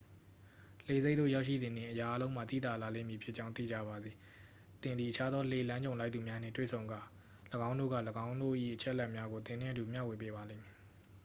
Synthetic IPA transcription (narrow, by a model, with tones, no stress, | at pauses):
l̥e˨ze˦t̪o̰˦˨ja˦ʊʃḭ˦˨d̪ɪ̃˨ndɪ̰̃˨ʔəja˨ʔa˦lõ˦ʊ̃m̥a̰˦˨t̪ḭ˦˨t̪a˨la˨lẽ˦˨mji˨pʰjɪ˦ʔt͡ɕã˦ʊ̃t̪ḭ˦˨d͡ʑä̰˦˨ba˨d̪ði˨ | t̪ɪ̃˨nd̪ði˨ʔət͡ɕʰa˦d̪ɔ˦le˨lã˦ɲd͡ʑõ˨ʊ̃la˦ɪt̪θu˨mja˦n̥ɪ̰̃˦˨twḛ˦˨sʰõ˨ʊ̃ŋɡa˨ | ləɡã˦ʊ̃ndo̰˦˨ɡä̰˦˨ləɡã˦ʊ̃ndo̰˦˨ʔḭ˦˨ʔət͡ɕʰɛ˦ʔlɛ˦ʔmja˦ɡo˨t̪ɪ̃˨n̥ɪ̰̃˦ʔətu˨mja̰˦˨we˨pe˦βa˨lḛ̃˦˨mi˨